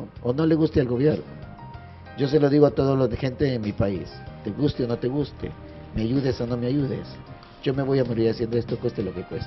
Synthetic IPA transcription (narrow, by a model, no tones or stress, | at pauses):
ono̞le̞ɣust̪ealɣo̞βje̞ɾno̰ | ɟ͡ʝo̞s̬e̞lo̞ðiɣo̞at̪o̞ð̞oloðexe̞nt̪e̞enmipaḭst̪e̞ɣust̪eono̞t̪e̞ɣust̪e̞̰ | me̞aʝuðe̞so̞no̞meaʝuðe̞̰s | ɟ͡ʝo̞me̞βo̞jamoɾiɾasje̞nd̪oe̞st̪okwe̞st̪elo̞ke̞kwe̞st̪e̥